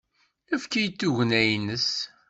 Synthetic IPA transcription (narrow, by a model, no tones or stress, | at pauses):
əfkijət̪ːuʝənæjnəs